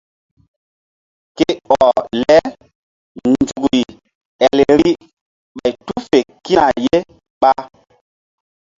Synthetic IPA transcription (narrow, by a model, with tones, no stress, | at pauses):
ke˦ɔ˨lɛ˦ | nd͡zu˨ɡi˨ | ɛ˨le˨ɾi˦ | ɓa˨jtu˦fe˨ki˦na˨je˦ | ɓa˦